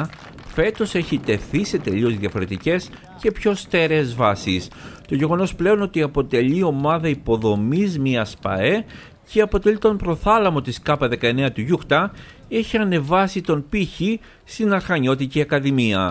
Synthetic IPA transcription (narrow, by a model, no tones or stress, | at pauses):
fe̞t̪o̞se̞çit̪e̞θise̞t̪e̞ʎio̞zðjɐfo̞ɾe̞t̪ice̞s | ce̞pço̞st̪e̞ɾeːzvɐsist̪o̞ʝe̞ɣo̞no̞sple̞o̞no̞t̪iɐpo̞t̪e̞ʎio̞mɐðɐipo̞ðo̞mizmiɐspɐ̰e̞ | ceɐpo̞t̪e̞lit̪o̞mpɾo̞θɐlɐmo̞t̪iskɐpɐðe̞kɐe̞ne̞ɐt̪uʝuxt̪ɐ | eçiɐne̞vɐsit̪o̞npiçi | st̪inɐɾxɐɲo̞t̪ic̪iɐkɐðimiɐ